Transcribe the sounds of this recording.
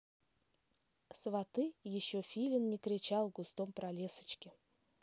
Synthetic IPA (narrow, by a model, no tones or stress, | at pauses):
svat̪ɨjɪɕːofʲilʲɪnːʲɪkɾʲɪt͡ɕalˠɡʊst̪ompɾalʲesə̥t͡ɕkʲɪ